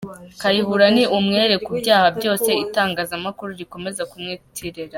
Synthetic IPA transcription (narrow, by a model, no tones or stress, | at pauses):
kajihuɾaniʔumŋe̞ːɾe̞kubɟaːhabjo̞ːse̞itaːŋɡaːzamakuɾuɾiko̞me̞zakumŋitʰiɾeɾa